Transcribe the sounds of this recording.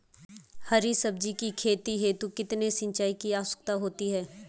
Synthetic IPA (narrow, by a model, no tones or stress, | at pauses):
hɐɾisɐb̚d͡ʒikikʰeːt̪iɦeːt̪ukɪt̪nesɪ̃ɲt͡ʃaːikiaːsə̥k̚t̪aɦoːt̪iɦɛː